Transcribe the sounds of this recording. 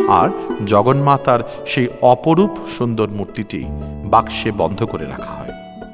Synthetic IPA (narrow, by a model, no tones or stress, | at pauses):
a̰ɾd͡ʑɔɡonmat̪aɾʃejɔpoɾupʃund̪oɾmuɾt̪iʈḭbakʃebɔnd̪ʱokoɾeɾa̰kʰaɦɔ̰e